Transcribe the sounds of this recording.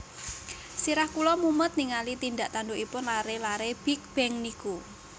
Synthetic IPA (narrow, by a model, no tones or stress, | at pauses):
siɾahkulɔmumət̪̚niŋalit̪ind̪aʔt̪andoʔipʊnlaɾelaɾeb̥ik̚b̥ɛŋniku